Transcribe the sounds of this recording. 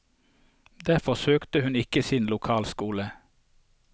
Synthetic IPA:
d̪æfɔsøːkt̪əhʉnɪkəsɪnlʊkʰɑːlskuːlə

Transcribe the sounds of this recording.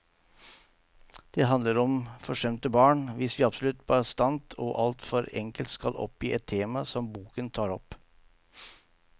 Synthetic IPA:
d̪̥ɛɦɑnləɾɔmfɔʂɛmt̪əbɑːɳʋɪsʋɪːɑbsɔlʉt̪ːbɑːɾəst̪ɑnt̪ʰɔːʔɑlt̪fɔɾɛ̰ŋkəlt̪skɑ̰lʔɔ̰pjiːʔɛt̪ʰːeːmɑsɔmbuːkənt̪ʰɑːɾɔp

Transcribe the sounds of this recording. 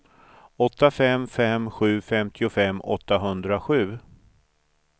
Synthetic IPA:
ɔt̪ːafɛmːfɛmɧʉ̟ːfɛmt̪ʰɪʊfɛmːɔ̰t̪ːaɦɵnd̪ɾaɧʉ̟ː

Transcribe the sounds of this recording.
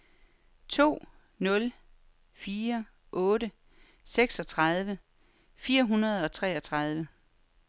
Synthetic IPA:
t͡sʰo̝̰ː | nɔ̽l | fiːɐ | ʔɔ̽ːɾə | seɡ̥sɒ̽t͡sʰʁɑð̞ˠʋə | fiːɐɦunɐð̞̩ˠɒ̽t͡sʰʁɛ̰ːɒ̽t͡sʰʁɑ̈ð̞ˠʋə

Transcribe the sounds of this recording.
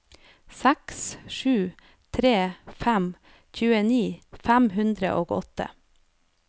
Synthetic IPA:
sæksʃʉː | t̪ʰɾeːfæm | çʉːəniːfæmɦʉnd̪ɾə̰ʔoːɡɔ̰t̪ə̰

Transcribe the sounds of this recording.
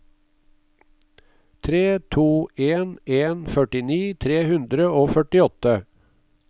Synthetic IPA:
t̪ʰɾeːt̪ʰuːʔeːneːnfœʈɪniːt̪ʰɾeːhʉnd̪ɾəoːfœʈɪɔt̪ə

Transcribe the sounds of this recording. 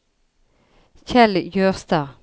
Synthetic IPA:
çɛljøːʁst̪əʁ

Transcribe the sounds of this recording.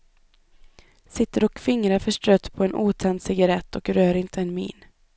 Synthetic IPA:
sɪt̪ːəɾɔkfɪŋɾafœʂʈɾœt̪ːpʰɔɛnʔuːt̪ʰɛnd̪sɪɡaɾɛt̪ːɔkɾøːɾɪnt̪ʰəɛnmḭːn

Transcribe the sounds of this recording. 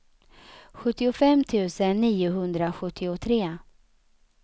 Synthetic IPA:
ɧɵt̪ːɪʊfɛmːt̪ʰʉ̟ːsənːiːʊɦɵnd̪ɾaɧɵt̪ʰːɪʊt̪ʰɾeː

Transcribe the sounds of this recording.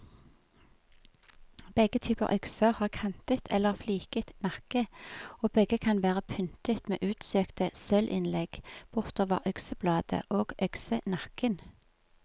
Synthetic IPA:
b̥ɛɡət̪ʰyːpə̰ʁʔœksəʁhɑːʁkʰɛnt̪ət̪ʰɛlːəʁfliːkət̪nɑkəoːbɛɡəkʰɑnʋæːʁəpʰʏnt̪ət̪mḛːʔʉːt̪søːkt̪əsœlʔɪ̰nlɛɡ̥b̥ʊʁt̪oːʋə̰ʁʔœksəblɑːd̪ə̰ʔoːɡ̥ʔœksənɑkən

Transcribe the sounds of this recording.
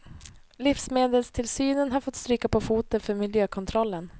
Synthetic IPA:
lɪfsmeːd̪əlst̪ʰɪlsyːnənɦaɾfɔt̪st̪ɾyːkapʰɔfuːt̪ənfœɾmɪljøːkʰɔnt̪ʰɾɔlːən

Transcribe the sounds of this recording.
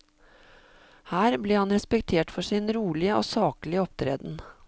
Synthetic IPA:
hæːɾbliːhɑnɾɛspɛkt̪ʰeːʈfɔʂɪnɾuːɭɪəo̰ːsɑːklɪəɔpt̪ʰɾḛːd̪n̩

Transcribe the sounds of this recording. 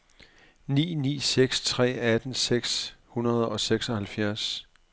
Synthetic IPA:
nḭːnḭːseɡ̥st͡sʰʁɛ̰ːæd̥n̩seɡ̥shunɐð̞̩ˠɒ̽seɡ̥sɒ̽hælfjæɐ̰s

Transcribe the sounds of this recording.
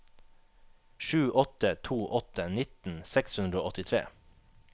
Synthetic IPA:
ʃʉːʔɔt̪ət̪ʰuːʔɔt̪ənɪt̪n̩sɛkshʉnd̪ɾəoːɔt̪ɪt̪ʰɾḛː

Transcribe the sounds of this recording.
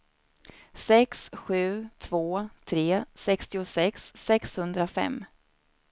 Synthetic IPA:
sɛksɧʉ̟ːt̪ʰvoːt̪ʰɾeːsɛkst̪ɪʊsɛksːɛkshɵnd̪ɾafɛ̰mː

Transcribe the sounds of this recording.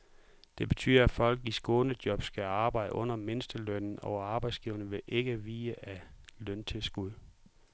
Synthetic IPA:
d̥e̝b̥e̝t͡sʰy̰ːðˠɐæfɒ̽l̰ɡ̥isɡ̥ɔːnəd̥jɒ̽b̥sɡ̥æɑ̈ːb̥ɑ̈ɪ̰d̥əʔɔ̽n̰ɐme̝nəsd̥əløn̰n̩ɒʊɑ̈b̥ɑ̈ɪd̥sɡ̥iːʊɐnəʋe̝ʔe̝ɡ̥əʋiːəʔælønt͡sʰe̝lsɡ̥uð̰ˠ

